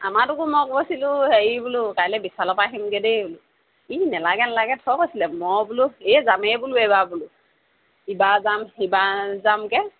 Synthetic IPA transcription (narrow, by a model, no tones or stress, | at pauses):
a̰matʊkumɔkbɔsilʊheɹibulukajlɛbisalɔpaɦimɡedebulu | inɛlaɡɛnɛlaɡɛtʰɔkojsilɛmɔbuluezamɛbuluɛbabulʊ | ibazamibazamkɛ